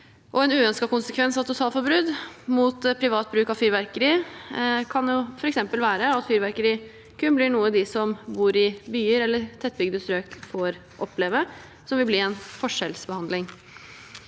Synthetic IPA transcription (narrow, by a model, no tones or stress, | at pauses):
ʔɔɛnʉːœnskɑkʊnsəkʰʋɛnsɑʋt̪ʊsɑːlfɔɾbɾʉd̪mut̪pʰɾɪʋɑːt̪̚bɾʉːkɑʋfyːɾʋæɾkəɾiː | kʰɑnjʊfɔɾɛksɛmpəlʋæːɾəɑt̪fyːɾʋæɾkəɾiː | kʰʉnblɪɳuːəd̪ɪsɔmbuːɾɪbyːəɾɛlːəɾt̪ʰɛt̪̚ːbʏɡd̪əsɾøːkfoɾ | ʔɔpːleːʋə | sɔmʋɪlbliːɛnfɔʂɛlsbəhɑnd̪lɪŋ